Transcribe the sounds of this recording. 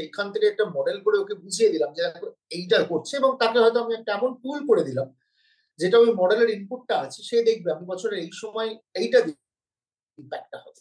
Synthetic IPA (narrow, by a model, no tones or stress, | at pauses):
ekʰːant̪ekeɛk̚ʈamɔɖelkoɾeokebud͡ʑʱijed̪ilamd͡ʑed̪ɛɛko | ejʈaekoɾt͡ɕʰeeboŋt̪akeɦɔet̪oamiɛk̚ʈaɛmonpulkoɽed̪ilam | d͡ʑeʈaamimɔɖeleɾimpuʈ̚ːaat͡ɕʰiʃed̪ek̚ʰbeamibɔt͡ɕʰoɾeɾejʃɔmɔeejʈad̪i | impɛk̚ʈaɦɔt̪e